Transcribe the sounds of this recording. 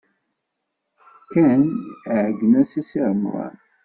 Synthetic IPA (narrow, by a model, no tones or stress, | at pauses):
kænʕɡənæsisiɾəmɾˤɑ̰n